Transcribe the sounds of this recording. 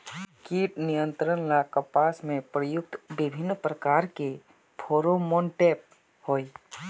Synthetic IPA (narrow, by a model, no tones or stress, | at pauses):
kiːʈnijə̃nt̪ɾənlakəpaːsmẽpɾəjʊk̚t̪bɪbʱɪnːpɾəkaːɾke | pʰoːɾomoːnʈeːp̚ | hoːi